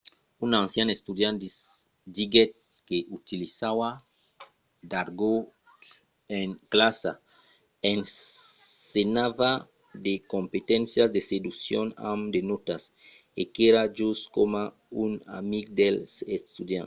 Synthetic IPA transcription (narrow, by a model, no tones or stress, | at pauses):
unãnsjanest̪ud̪jãnd̪ | d̪iɡet̪̚ | keʔut̪ilisawa | d̪aɾɡo | eŋklasa̰ | en | senava | d̪ekompet̪ẽnsjazd̪esed̪uksjõna̰md̪enot̪as | ekeɾad͡ʒuskoma | una̰miɡd̪elsest̪ud̪jã̰n